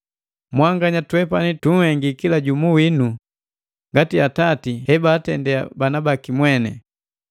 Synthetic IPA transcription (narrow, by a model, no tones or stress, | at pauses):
mwaŋɡaɲatwɛpanituŋ̩hɛŋɡikilaɟumuwinu | ŋɡatiatatihɛbaːtɛndɛa̰banabakimwɛnɛ